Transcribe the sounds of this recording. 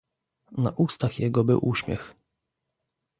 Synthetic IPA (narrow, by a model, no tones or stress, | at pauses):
na̰ʔust̪axjɛɡɔbɘwʔuɕmʲjɛ̰x